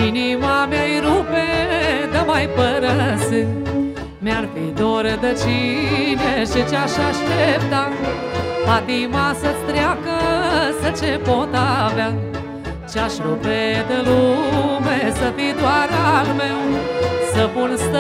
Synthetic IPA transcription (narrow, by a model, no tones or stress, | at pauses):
inimãmjajɾuped̪ɐmajpəɾɐsɨ | mjaɽpid̪oɾɐd̪ɐt͡ʃineʃit͡ʃaʃaʃlep̚t̪a | pad̪imãsɐt͡st̪ɾjakəsɐt͡ʃẽpõːt̪aʋja | t͡ʃaʃɾuːped̪ɐlumesɐt̪id̪waːɾaɡmewsəpunst̪